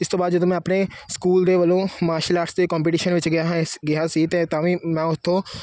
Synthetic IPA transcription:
ɪst̪õbaːd̪d͡ʒəd̪õmɛ̃ːəpneskuːld̪eːʋəlõːmaːɾʃəlaːʈsd̪eːkɔ̃ːmp̬ɪʈiːʃənʋɪt͡ʃɡɪaɦɡɪɦasiːt̪et̪ãːʋĩːmɛ̃ːʊst̪ʰːõː

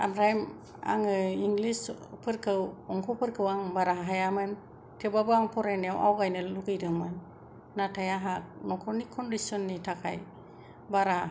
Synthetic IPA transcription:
amɾajm | a̰ŋɯiŋɡlispʰɯɾkʰɯwɔŋkʰɔpʰɯɾkʰɯwaŋbaɾaɦɦajamɯn | tʰebabɯaŋpʰɔɾajnawʔa̰wɡajnɯluɡɯjdɯŋmɯnː | atʰajaɦak̚nɔkʰɔnikʰːɔndisiɔnːitʰakʰa̰j | baɾa

